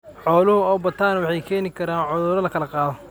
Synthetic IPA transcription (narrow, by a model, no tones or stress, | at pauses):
ħɔːlʊhʊɔːbɐt̪ʰaːnwɑħɑjkʰɛːnɪkʰɐɾaːnʕʊðʊɾɐlɐkʰɐlɐqɑːðɔ